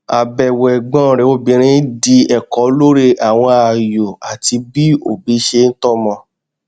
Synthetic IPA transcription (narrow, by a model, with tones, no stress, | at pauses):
a˨bɛ˨wɛ˨ɡ͡bɔ̃˨˦˨ɾɛ˨˦o˦bĩ˧˦ɾ̃ĩ˧˦di˧ɛ˨kɔ˨˦lo˦ɾe˧ʔa˨w̃ɔ̃˧a˨jo˨a˨ti˧bi˦o˨bi˨˦ʃe˧n̩˦tɔ˦˨mɔ̃˧